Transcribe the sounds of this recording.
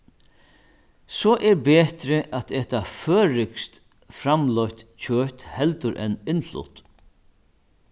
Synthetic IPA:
sɔːʔɛɹbeːt̪ɾɪʔat̪ɛːht̪aføːɾɪkst̪ | fɾamlɔɥht̪t͡ɕʰøːt̪hɛlt̪ʊɾʔɛ̰nɪnlʊ̰t̪

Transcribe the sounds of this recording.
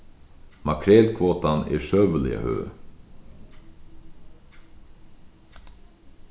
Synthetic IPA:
makʰɾeːlkʰvoːt̪anḛːʃœʋəlɪ̰ə̰hø̰ː

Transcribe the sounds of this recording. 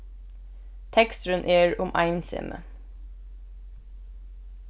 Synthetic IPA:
t̪ʰɛkst̪ɾənʔeːɹʊmʔɑ̰ɪnsɪ̰mʔə̰

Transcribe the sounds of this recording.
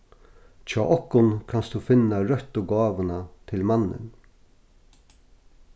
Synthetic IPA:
t͡ʃʰaːʔɔhkʊnkʰanstd̪ufɪnːaɾœt̪ʊɡaːʋənat̪ʰɪlmanːɪ̰n

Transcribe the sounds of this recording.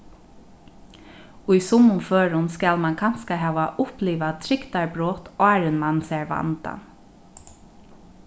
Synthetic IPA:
ʊjsʊmːʊnføːɹʊnskælmankʰan̥skaɦæːʋaʔʊpliːʋat̪ʰɾɪkt̪aɹbɾɔːt̪ɑːɾɪnmansɛɹʋa̰nt̪a̰n

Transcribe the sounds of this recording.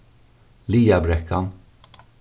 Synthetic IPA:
liːabɾɛkʰːan

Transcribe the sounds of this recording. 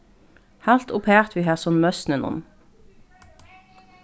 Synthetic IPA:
hɑlt̪ʊpʰheːʁt̪ʋiːhæːʁsɔnmœsnənɔ̰n

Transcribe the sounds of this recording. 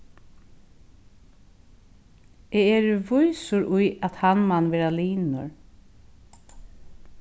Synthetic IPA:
ɛɛɾʋʊjsʊɾʔʊjat̪hanmanːʋɛːɾaliːnʊ̰ɹ

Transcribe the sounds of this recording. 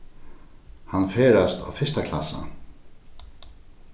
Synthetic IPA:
hanfeːɹast̪ʰa̰wfɪst̪akʰla̰sa̰

